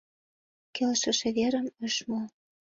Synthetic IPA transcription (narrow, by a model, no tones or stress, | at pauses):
kelʃə̆ʃĕβeɾə̆mə̆ʃmol